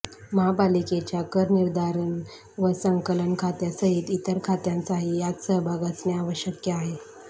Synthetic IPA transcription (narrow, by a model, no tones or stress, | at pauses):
məɦapaliket͡ɕjakəɾniɾd̪ʱaɾən | ʋəsəŋkələnkʰat̪jasəɦit̪it̪əɾkʰat̪jãnt͡saɦiːjat̪səɦbʱaɡat͡sɳjaaʋəɕjəkjəaɦe